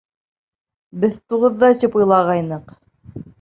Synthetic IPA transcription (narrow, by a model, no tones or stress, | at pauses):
bɘðt̪uʁɤ̆ðːɑt͡ɕɘpujlˠɑʁɑjnɤq